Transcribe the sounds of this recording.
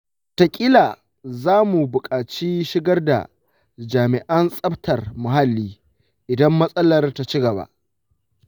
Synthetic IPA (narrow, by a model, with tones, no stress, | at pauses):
ta˨kʲʼɪ˦laː˨ | zaː˦mu˨bʊ˨kʼaː˨t͡ʃiː˦ʃɪ˦ɡɐ˦rda̰˨ | d͡ʒaː˨mɪ˨ʔɐ˦nsʼɐ˦ɸtʰɐ˨rmʊ˨ɦa˦lːiː˦ | ʔɪ˨dɐ˦mːɐ˦sʼɐ˦lɐ˨rta˨t͡ʃi˦ɡɐ˨ba̰˦ʔ